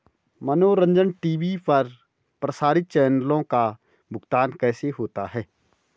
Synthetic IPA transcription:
mənoːɾə̃ɲd͡ʒənʈiːʋipɐɾ | pɾəsaːɾɪt̪̚t͡ʃɛːnəlõka | bʱʊɡt̪aːnkɛːseɦoːt̪aɦɛː

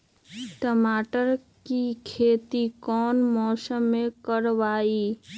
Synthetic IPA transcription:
ʈəmaːʈəɾkikʰeːt̪ikɔːnmɔːsəmẽkəɾʋaːiː

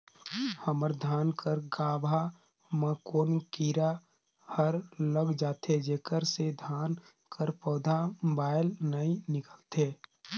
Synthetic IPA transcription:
həməɾd̪ʱaːnkəɾɡaːbʱa | məkoːnkiːɾa | həɾləɡd͡ʒaːt̪ed͡ʒeːkəɾsed̪ʱaːn | kʰəɾpɔːd̪ʱamobaːɪlnəĩnɪkəlt̪ʰeː

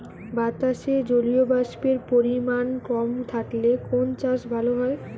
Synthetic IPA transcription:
bat̪aʃed͡ʑoliobaʃpeɾpoɾimankɔmt̪ʰaʈlekont͡ɕaʃbʱaloɦɔe

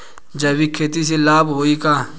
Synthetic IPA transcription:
d͡ʒɐbikʰeːt̪is̬elaːbɦoːikaː

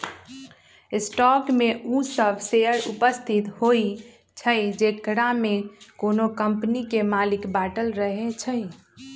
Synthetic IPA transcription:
sʈɔkmeusəbʱseəɾupəst̪ʰit̪hoi | t͡ʃʰəd͡ʒekɾamekonokəmpnikemalikbaʈəlɾəɦet͡ʃʰə

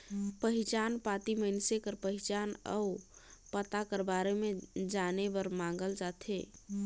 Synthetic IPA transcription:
pəɦit͡ʃanpat̪iməɪnsekəɾpəɦit͡ʃanə̰upət̪akəɾbaɾemed͡ʒanebəɾmãŋɡəld͡ʒat̪ʰe

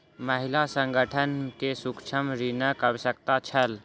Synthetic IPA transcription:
məɦɪlasə̃ŋɡʱəʈʰənkesʊkt͡ʃʰəmɾinəkəbsək̚t̪at͡ʃʰəl

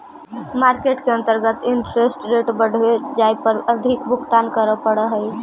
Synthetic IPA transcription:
maɾkeʈkeənt̪əɾɡət̪ɪɳʈɾesʈɾeʈbəɽ̤ʋed͡ʒajpəɾəd̪ʱikbʱʊkt̪ankəɾəpəɽəɦəj

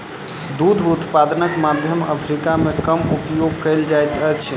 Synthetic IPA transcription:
d̪ud̪ʱut̪pad̪ənəkmad̪ʱjəmə̰pʰɾikamekəmupjoɡ̚kəld͡ʒajt̪ət͡ʃʰ

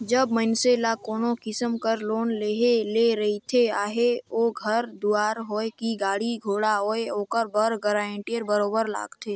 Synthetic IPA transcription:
d͡ʒəbmənselakoːnokɪsəmkəɾloːnleɦeleɾɐɦit̪ʰeaːɦeoːɡʱəɾd̪uaːɾɦoːekiɡaːɽiɡʱoːɽaɦoːeoːkəɾbəɾɡəɾaẽɳʈijəɾbəɾoːbəɾla̰ːɡt̪ʰeː

